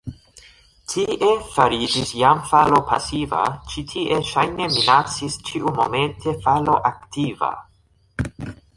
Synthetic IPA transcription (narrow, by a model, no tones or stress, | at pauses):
tʰiʔe̞faɾid͡ʒisjamfalo̞pʰa̰siva̰t͡ʃitʰiʔe̞ʃajne̞minat͡sist͡ʃiʔumo̰me̞ntʰe̞falo̞ʔaktiva̰